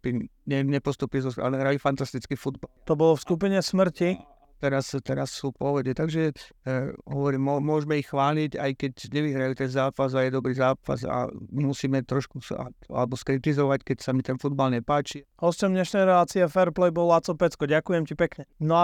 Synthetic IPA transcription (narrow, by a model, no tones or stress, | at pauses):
pinɲɛmɲɛpɔst̪upizɔsa̰nɛɦɾaifant̪ast̪it͡skifud̪balt̪ɔbɔlɔfskup̬iɲɛsmr̩ci | t̪ɛɾast̪ɛɾasːuːpɔʋɔd̪ɛt̪aɡʒɛ | ɦɔʋɔɾiːmɔmʊɔʒmɛixxʋaːliɟajkɛcɲɛʋiɦɾajut̪ɛnzaːpazajɛd̪ɔbɾiːzaːpa̰za̰musiːmɛt̪ɾɔʃkusa̰a̰lɛbɔskɾit̪izɔʋackɛcsamit̪ɛnfud̪balɲɛpaːt͡ʃiɦɔscɔmd̪ɲɛʃnɛjɾɛlaːt͡siɛfɛɾplɛjbɔlat͡sɔpɛt͡skɔɟakujɛmcipɛkɲɛnɔa